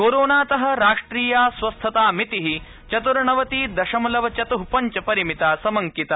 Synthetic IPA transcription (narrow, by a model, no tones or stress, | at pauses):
koːɾoːnaːt̪ɐɦɐ̆ɾaːʂʈɾiːjaːsʋɐst̪ʰɐt̪aːmit̪iɦi | t͡ʃɐt̪uɾɐɳɐʋɐt̪iːd̪ɐʃɐmɐlɐʋɐt͡ʃɐt̪uɦupɐɲt͡ʃɐpɐɾimit̪aːsɐmɐŋkit̪ɐ